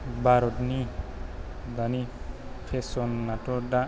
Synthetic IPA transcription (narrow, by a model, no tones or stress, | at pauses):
baɾɔtni | d̪anipʰesɔnːatɔda